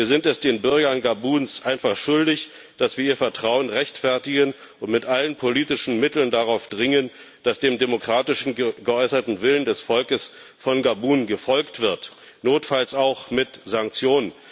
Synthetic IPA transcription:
iːɐzɪntɛsd̥eːnbʏɐɡɐnɡabuːnsʔaɪnfaχʃʊldɪç | d̥asv̥iːɐiːɐfɛɐtʁ̥aʊənʁɛçtfɛɐtɪɡən | ʊntmɪtʔalənpʰoliːtɪʃn̩mɪtl̩ndaʁaʊfd̥ʁɪŋən | d̥asd̥eːmdemokʁ̥aːtɪʃn̩ɡəɔʏsɐtn̩vɪləndɛsfɔlkəs | fɔnɡabuːnɡəfɔlktv̥ɪɐt | noːtfalsaʊxmɪtzaŋk̚t͡sjoːnən

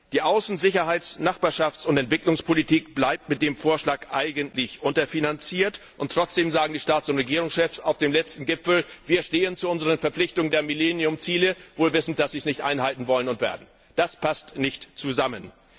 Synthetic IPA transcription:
d̥iːʔaʊsn̩zɪçɐɦaɪt͡snaχb̥aːɐʃaft͡sʊntɛntv̥ɪklʊŋspʰolitʰiːkb̥laɪp̚tmɪt̚d̥eːmfoːɐʃlaːkʔaɪɡəntʰlɪçʔʊntɐfinant͡siːɐtʔʊntʁ̥ɔt͡sd̥eːmzaːɡŋ̩diːʃtaːt͡sʊntʁeɡiːʁʊŋsʃɛfsaʊfd̥eːmlɛt͡stn̩ɡɪfl̩viːɐʃteːənt͡suʊnzəʁ̞ənfɛɐflɪçtʊŋndeːɐmilɛnjʊmt͡siːləvoːlvɪsn̩d̥asz̥iːsnɪçtʔa̰ɪnhaltn̩vɔlənʊntv̥ḛːɐdn̩ | d̥aspʰastnɪçtt͡suzamən

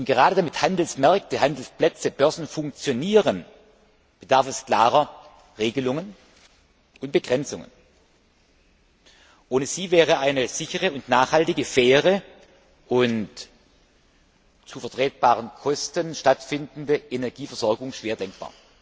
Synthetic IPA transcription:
ʊntɡ̥əʁaːɾədamɪthandl̩smɛɐk̚təhandl̩splɛt͡səb̥œɐzn̩fʊŋk̚t͡sjoniːʁən | b̥ədaɐfɛskl̥aːʁɐ | ʁeːɡəlʊŋən | ʔʊnt̚b̥əɡ̥ʁɛnt͡sʊŋə̰n | ʔoːnəz̥iːvɛːʁ̞əaɪnəz̥ɪçəʁəʊntnaːχhaltɪɡəfɛːʁə | ʔʊnt | t͡sufɛɐtʁ̥ɛːt̚b̥aːʁənkʰɔstənʃtatfɪndn̩dəʔenɛɐɡiːfɛɐz̥ɔɐɡʊŋʃv̥eːɐdɛŋk̚b̥a̰ːɐ

